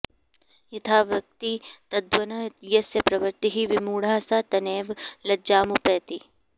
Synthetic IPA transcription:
it̪ʰaːʋjɐk̚t̪it̪ɐd̪wɐnɐjɐsjɐpɾɐʋɐɾt̪iɦiʋimuːɽaːsat̪ɐneːʋlɐd͡ʒaːmupeːt̪i

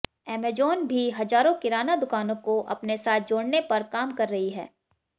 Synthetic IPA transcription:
ɛːmed͡ʒoːnbʱiɦɐd͡ʒaːɾõkɪɾaːnad̪ʊkaːnõkoʔɐ̰pnesaːt̪̚ʰd͡ʒoːɽnepɐɾkaːmkɐɾːɐɦiɦɛ̰ː

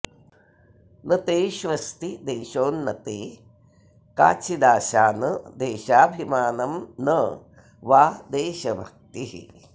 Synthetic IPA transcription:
nɐt̪eːʃʋɐst̪id̪eːʃoːnːɐt̪eː | ka̰ːt͡ʃid̪aːʃaːnɐd̪eːʃaːbʱimaːnɐmnɐ | ʋaːd̪eːʃɐbʱɐk̚t̪iɦḭ

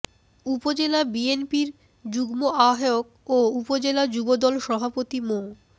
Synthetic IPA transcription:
upod͡ʑelabienpiɾ | d͡ʑuɡmoʔaɦeok̚ | oupod͡ʑelad͡ʑubod̪ɔlʃɔbʱapot̪imo

